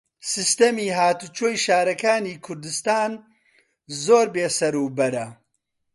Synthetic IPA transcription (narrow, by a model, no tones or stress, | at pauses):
sɨst̪ɐmiːɦaːt̪ut͡ʃʰoːjʃaːɾɐkaːniːkʰʊɾd̪ɨst̪aːn | zoːɾbeːsɐɾuːbɐɾɐ